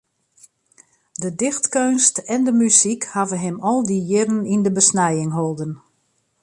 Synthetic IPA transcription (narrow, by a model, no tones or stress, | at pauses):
dədɪxtkønstɛndəmysikhavənɦɪmɔlˠdijɪɾənindəbəsnɛjɪŋɦolˠdən